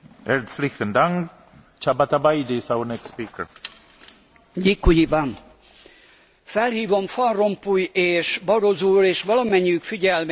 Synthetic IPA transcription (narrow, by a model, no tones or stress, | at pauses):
ɛɾd̪slixə̃nd̪ãŋɡ | t͡ʃabat̪abajd̪esawənɛkspiːkəɹ | ɟikːujivan | fɛlhiːvo̞mfɒnro̞mpujeːʃbɒɾozuːɾeːʃʋɒlɒmɛɲːykfiɟɛlm